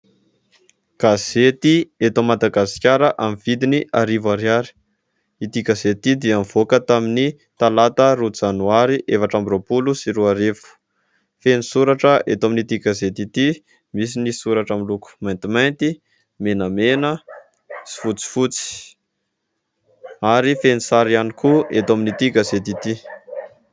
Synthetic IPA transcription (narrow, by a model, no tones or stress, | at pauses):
ɡ̥azet̪iet̪omad̪aɡasi̥kʲaɾəʔamiv̥id̪iniʔaɾivaɾjaɾi̥ | it̪iɡazet̪id̪iamvokət̪amini | t̪alat̪əɾud͡zanuaɾiʔefaʈ͡ʂambiɾopulusiɾuaɾevu̥ | fenisuɾaʈ͡ʂəʔet̪aminit̪iɡazet̪it̪i | mis̬inisuɾaʈ͡ʂamiluku̥majnt̪imajnt̪i | menəmenə | si̥fut͡si̥fut͡si̥ | aɾifenisaɾianikʰuet̪aminit̪iɡazet̪it̪i